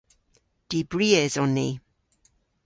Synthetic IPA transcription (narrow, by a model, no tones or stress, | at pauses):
d̥ibɹiːɛzɔnːi